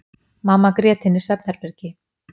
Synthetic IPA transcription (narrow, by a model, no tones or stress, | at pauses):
maːmːakɾjɛːt̪ɪnːɪ̥sɛp̚naɾpɛɾcɪ